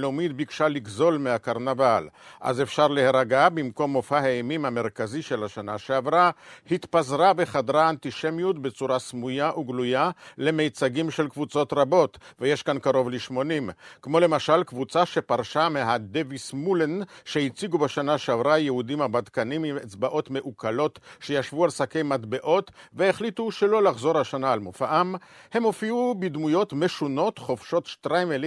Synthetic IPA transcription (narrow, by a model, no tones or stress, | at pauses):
lomid̪̚bikʃaliɡzo̞lmehakaʁnavalʔa̰zefʃaʁleheʁaɡabimko̞mːofahaemimhameʁkaziʃe̞lhaʃanaʃeavʁahit̪pazʁaveχad̪ʁaːnt̪iʃe̞mjut̪be̞t͡suʁasmujaʔuɡlujale̞me̞jt͡saɡimʃelkvut͡so̞t̪ʁabo̞t̪vejeʃkankaʁo̞vliʃmo̞nimkmo̞le̞maʃalkvut͡saʃepaʁʃameɦad̪evismulenʃehit͡siɡubeʃanaʃavʁajehudimhabad̪kanimimet͡sbaʔo̞t̪me̞ʔukʰalo̞tʃe̞jaʃvualsakejmad̪be̞ʔo̞tveeχlit̪uʃelo̞laχzo̞ɾhaʃanaːlmofaʔamhe̞mofiubid̪mujo̞tme̞ʃuno̞tχo̞fʃo̞tʃtʁajmel